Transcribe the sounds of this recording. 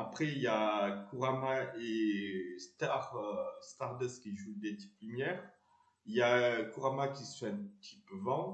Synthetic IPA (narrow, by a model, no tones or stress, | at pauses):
apχɛijakuʁamaest̪aʁst̪aʁd̪ɛskʲiʒud̪et̪i̥plymjɛʁ | jakuʁamakʲissɛ̃t̪ʰipvɑ̃